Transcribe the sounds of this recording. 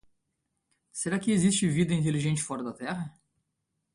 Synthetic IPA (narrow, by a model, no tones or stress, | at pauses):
seɾakɪezist͡ʃɪvid̪ɐĩt̪̬eliʒẽnt͡ʃɪ̥fɔɾɐd̪ɐt̪ɛɦɐ